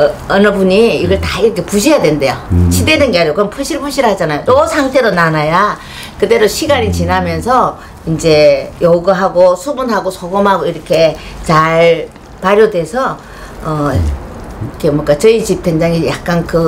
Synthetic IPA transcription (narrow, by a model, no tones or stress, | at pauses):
ʌnɯbuɲiːɡʌɭtaiɾʌkʰe̞puɕ̬ʰijadwende̞joɕʰidedɯnɡeajɡokɯnpʰuɭɕʰiɭpʰuɭɕʰiɾhad͡ʑanajonʌsʰaŋtʰe̞ɾonanaja | kɯde̞ɾoɕʰiɡaɲit͡ɕinamjʌnsʰʌ | ind͡ʑe̞joɡɯɦaɡosʰubunɦaɡosʰoɡomɦaɡoiɾʌkʰe̞t͡ɕaɭ | paɾjodwe̞sʰʌ | ʌ | kʰe̞mwʌk͈at͡ɕʌit͡ɕip̚tʰeŋd͡ʑaŋijak̚k͈ankɯ